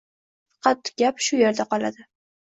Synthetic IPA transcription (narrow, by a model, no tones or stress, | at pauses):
fɑ̥qɑt̪ɡ̥ʲapʃʊje̞ɾd̪aqɒlˠa̰d̪ɪ